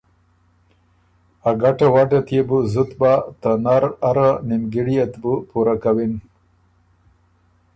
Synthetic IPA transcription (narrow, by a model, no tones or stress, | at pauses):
aɡaʈawaʈat̪jebuzut̪bat̪ənaɾaɾanimɡiɽijat̪bupuɾakawin